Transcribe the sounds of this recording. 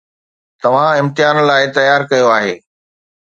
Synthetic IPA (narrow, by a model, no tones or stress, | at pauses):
t̪ɐʋ̤ãɪ̃mt̪ɪjaːnlaːɪt̪ɐjaːɾkɐjoaːɦeː